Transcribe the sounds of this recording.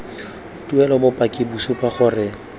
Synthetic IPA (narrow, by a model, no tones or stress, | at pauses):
tʼuɛlɔbʊpʼakʼɪbusʊpaχʊrɪ